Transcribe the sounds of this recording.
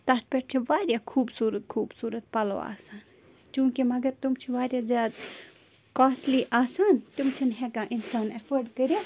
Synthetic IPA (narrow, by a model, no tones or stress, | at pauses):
t̪ɐt̪̚peʈ̚t͡ʃʰiʋaːɾʲjakʰuːbsuːɾət̪̚kʰuːbsuːɾɐt̪̚pɐlo̰a̰ːsaːn | t͡ʃũːkimɐɡɐɾt̪umt͡ʃʰiʋaːɾʲjazʲjaːd̪ | kaːsliʔaːsaːnt̪umt͡ʃʰinɦekãʔinsaːnɐfəɾɖkɐɾja